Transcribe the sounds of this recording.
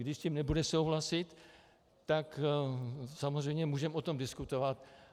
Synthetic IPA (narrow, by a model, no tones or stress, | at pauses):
ɡdɪʃscimnɛbudɛsowɦlasɪt̪ː | ak | samozr̝ɛjmɲɛmuːʒɛmot̪o̞mdɪskut̪ovat̪